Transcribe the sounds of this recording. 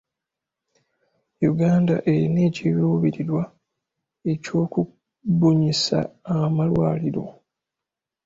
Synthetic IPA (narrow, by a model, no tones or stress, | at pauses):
juɡaːnda̰ʔe̞ɾine̞ːciβiwuβiɾiɾwa | e̞co̞ːku | buɲisa̰ːmalwaːliɾo̞̰